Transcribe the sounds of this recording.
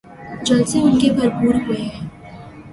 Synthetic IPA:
d͡ʒɐlseʊnkebʱɐɾpuːɾɦʊeɦɛ̃ː

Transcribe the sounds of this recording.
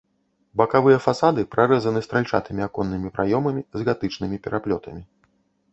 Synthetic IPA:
bɐkavɨjɐfasad̪ɨpɾaɾɛzɐnɨst̪ɾalʲt͡ʂat̪ɨmʲiakɔnːɨmʲipɾʔajɔmɐmʲizɣat̪ɨt͡ʂnɨmʲipʲɛɾʔaplʲɔt̪ʰɐmʲi

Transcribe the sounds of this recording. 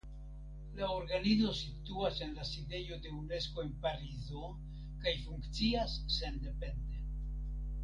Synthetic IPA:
laoɾɡanizo̞sit̪uase̞nlaside̞jo̞de̞une̞sko̞e̞npaɾizo̞ | kajfuŋkt͡siasːe̞nd̪e̞pe̞nd̪e̞

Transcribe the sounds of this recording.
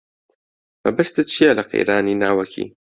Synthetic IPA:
mɐbɐst̪ɨt͡ʃʰijɛlɐqʰḛjɾaːniːnaːwɐkʰḭː

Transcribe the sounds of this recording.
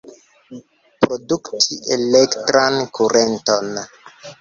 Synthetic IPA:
pɾoduktʰiʔelektɾankʰuɾʔenton

